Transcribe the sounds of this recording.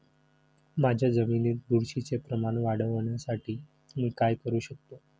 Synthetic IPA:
mad͡ʑʱjad͡zəminiːt̪̚d̪uɾɕit͡sepɾəmanʋaɽ̤əʋɳjasaʈʰiː | miːkajkəɾuːɕək̚t̪o

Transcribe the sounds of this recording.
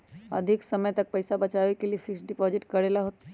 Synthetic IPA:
ə̰d̪ʱiksəməjt̪ək̚pəɪsabət͡ʃabekeliepʰɪksɖipɔzɪʈkəɾelaɦot̪

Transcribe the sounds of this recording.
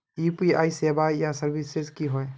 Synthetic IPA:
ipiajsebajasəɾbʱiseskiɦɔj

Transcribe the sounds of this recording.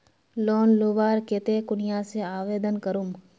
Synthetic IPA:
loːnloːʋaːɾket̪ekʊnɪjaseaːʋeːd̪ənkəɾum

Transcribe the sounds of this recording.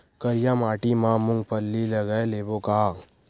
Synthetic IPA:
kəɾjamaːʈimãmʊ̃ŋɡpəlːiləɡəeleːboka

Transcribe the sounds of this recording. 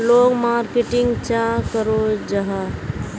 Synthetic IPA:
loːɡmaːɾkeʈɪ̃ŋɡt͡ʃãkəɾod͡ʒəɦa

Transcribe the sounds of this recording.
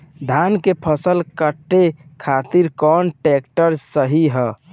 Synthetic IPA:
d̪ʱankepʰəsəlkəʈːekʰat̪iɾkɔnʈekʈəɾsəɦiɦə

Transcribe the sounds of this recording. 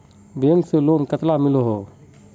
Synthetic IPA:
beːnseloːmkət̪lamɪloɦoː

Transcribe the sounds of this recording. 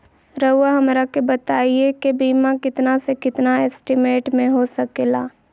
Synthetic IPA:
ɾɐʊaɦɐmɾakebɐt̪aːiekebiːmakɪt̪nasekɪt̪naɛːsʈɪmeːʈmẽɦosɐkeːlaː

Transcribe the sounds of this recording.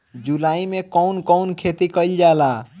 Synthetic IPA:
d͡ʒulaimekəwnkəwnkʰet̪ikəjld͡ʒala

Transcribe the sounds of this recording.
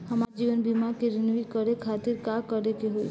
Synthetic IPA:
həmaɾd͡ʒiʋənbimakeɾinʋikəɾekʰat̪iɾkakəɾekeɦoḭ

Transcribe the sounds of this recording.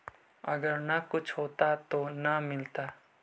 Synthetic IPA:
ɐɡəɾnakʊt͡ʃʰɦoːt̪at̪onamɪlt̪aː

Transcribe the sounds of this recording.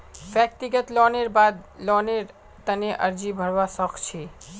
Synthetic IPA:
bjək̚t̪iɡət̪lɔːneɾbad̪lɔneɾ | t̪əneʔəɾd͡ʒibʱəɾʋasəkʰt͡ʃʰi

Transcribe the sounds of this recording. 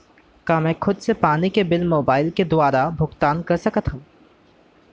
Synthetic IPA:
kaːmɛ̃ːkʰʊd̪sepaːnikebɪlmoːbaːɪlked̪ʊwaːɾabʱʊɡt̪aːnkɐɾsɐkət̪ɦũː

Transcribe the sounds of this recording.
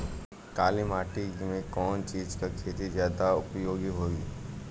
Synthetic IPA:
kaːlimaːʈiimẽkɔːnt͡ʃiːd͡ʒkakʰeːt̪izjaːd̪aʊpjoːɡiɦoːɡiː

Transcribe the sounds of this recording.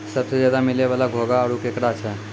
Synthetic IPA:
səbsed͡ʒjaːd̪amɪleʋaːlaɡʱoːɡaːɽukekɽat͡ʃʰɛ

